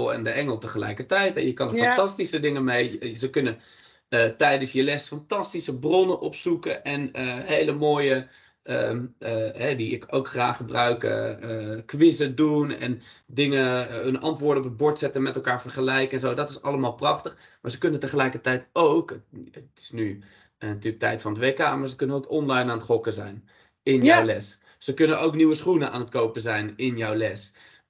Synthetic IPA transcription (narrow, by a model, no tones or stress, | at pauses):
lˠɛ̰ndəʔɛŋəlˠtəχəlɛ̰jkəɹtɛjtɛnjəkɑnəɹfɑntɑstisədɪŋəmejzəkɵnən | ətɛjdənsjəlɛsfɑntɑstisəbrɔnənʔɔpsukəʔɛnəɦejləmoːjə | əəɦɛdiɪko̰wkχra̰ːχːəbrœɥkə̰kʋɪsədunɛ̰ndɪŋənənɑ̰ntʋʊːɹdəɔpəbʊɹtsɛtənmɛtɛlˠkaːɹvəɹχəlɛjkəɛnzowdɑtɪsɑləmaːlˠprɑχtəχ | maːɹzəkɵnəntəχəlɛjkəɹtɛjtowkətɪ̥sny | nɑtyːlək̚tɛ̰jtfɑnətʋejka̰ːmaːɹzəkɵnənowkɔnlɑjnaːnətχɔkəzɛ̰jn | ɪnjowlɛs | səkɵnənowkniwəsχunəna̰ːnətkowpəzɛjnɪnjɔwlɛs